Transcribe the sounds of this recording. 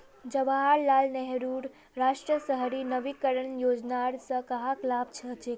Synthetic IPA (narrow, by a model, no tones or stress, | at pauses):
d͡ʒəʋaɦaɾlalnɛɦɾuɽ | ɾaʃʈɾəsəɦɾinəʋikəɾəɳjod͡ʒnaɾsəkəɦaklabt͡ʃʰət͡ʃe